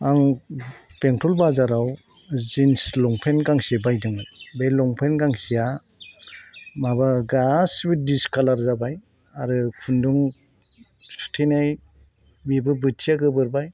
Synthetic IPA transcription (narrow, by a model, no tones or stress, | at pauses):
aŋ | peŋtʰɔlbazaɾaw | zinslɔŋpʰenkaŋsebajdɯŋɯbelɔŋpʰenɡaŋhija | mabaɡasbit̚diskʰalaɾzabaj | aɾɯkʰunduŋ | su̥tʰinaj | bibɯbɯt͡ʃʰijaɡɯbɯɾbaj